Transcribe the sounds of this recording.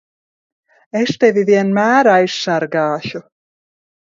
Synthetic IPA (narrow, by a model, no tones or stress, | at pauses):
eʃt̪evʲiviɛnmʲæːɾajsːaɾɡaːʃu